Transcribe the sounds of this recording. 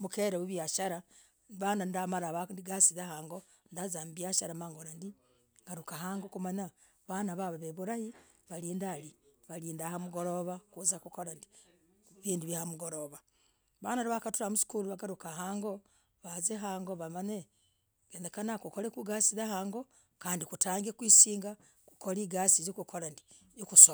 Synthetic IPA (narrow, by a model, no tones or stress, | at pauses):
mukeɾewuβjaʃaɾa | βanandamaɾaβandiɡasiðahaːŋɡo | ndazaːmbjaʃaɾamaːŋɡoɾandi | ŋɡaɾukahaːŋɡokumaɲa | βanaβaβaβeβuɾahi | βaliːndaliβaliːndahamuɡoɾoβakuzakukoɾandi | βiːndiβjihamuɡoɾoβa | βanaɾiβakatuɾamusi̥kuluβaɡaɾukaɦaːŋɡo | βazeɦaːŋɡoβamane | ɡeːndekanakukoɾekuɡaːsiðahaːŋɡo̞ | kaːndikutaːŋɡekwiːsiːŋɡa | ku̥koliɡaːsizikukoɾandi | jokuso